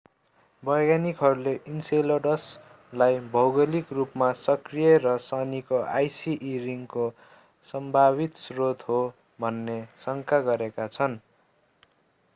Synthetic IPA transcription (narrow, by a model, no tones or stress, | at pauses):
bʌjɡanikɦʌɾuleʔinseloɖʌs | lajbʱʌwɡʌlikrupmasʌkrijerʌsʌnikoʔa̰jsiʔːɾiŋko | sʌmbʱaβit̪srot̪ɦo | bʱʌnːesʌŋkaɡʌɾekat͡sʰʌn